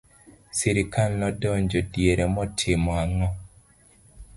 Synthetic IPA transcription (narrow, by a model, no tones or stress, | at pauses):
siɾɪkalnɔdɔɲd͡ʒodjeɾemɔtʰɪmɔaŋɔ